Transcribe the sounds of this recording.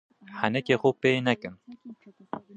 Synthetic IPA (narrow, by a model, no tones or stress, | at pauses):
hɛnɛkeːxopeːnɛkɨm